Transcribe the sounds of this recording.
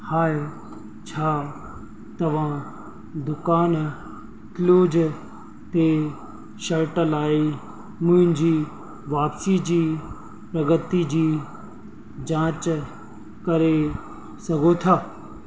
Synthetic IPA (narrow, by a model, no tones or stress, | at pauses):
haːje | t͡ʃʰaː | t̪ɐʋ̤ã | d̪ʊkaːn | kɪloːd͡ʒ | t̪e | ʃɐɾʈəlaːi | mʊ̃ɦɪ̃ɲd͡ʑiː | ʋaːpsid͡ʑiː | pɾɐɡət̪id͡ʑiː | d͡ʑãːt͡ɕ | kɐɾe | sɐɡot̪ʰaː